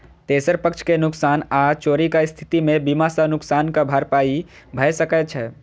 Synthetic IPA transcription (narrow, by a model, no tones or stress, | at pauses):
t̪esəɾpəkt͡ʃʰkenʊksanat͡ʃoːɾikaɪst̪ʰi̥t̪imebimasanʊksaːnkabʱaɾpai | bʱəjsəkɛt͡ʃʰɛ